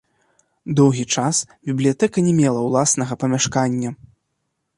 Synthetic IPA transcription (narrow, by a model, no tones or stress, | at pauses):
d̪ɔwɣʲit͡ʂas | bʲiblʲijat̪ɛkɐnʲɛmʲɛlˠɐwlˠasnɐɣɐpɐmʲaʂkanʲːɐ